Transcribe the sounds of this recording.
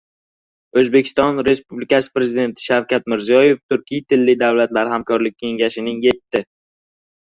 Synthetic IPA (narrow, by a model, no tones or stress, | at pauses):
ɵzbe̞kʲʰɪ̥st̪ɒnɾe̞spublɪkʲasɪ̥pɾe̞zid̪e̞nt̪ʰɪ̥ʃawkʲat̪̚mɪɾzijɒje̞ft̪ʰʊɾkʲijat̪ʰɪlːɪd̪awlat̪laɾhamkʰɒɾlɪkʲkʰʲːe̞ŋɡʲaʃɪnɪŋje̞t̪ʰːɪ